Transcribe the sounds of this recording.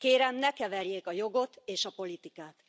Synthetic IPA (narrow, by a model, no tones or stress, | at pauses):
keːɾɛmnɛkɛvɛrjeːkɒjo̞ɡo̞t̪eːʃɒpo̞lit̪ikaːt̪